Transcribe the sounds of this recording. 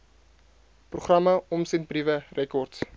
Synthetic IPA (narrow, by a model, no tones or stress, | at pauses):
pruχrɐməɔmsɛnt̚brivərɛkɔrts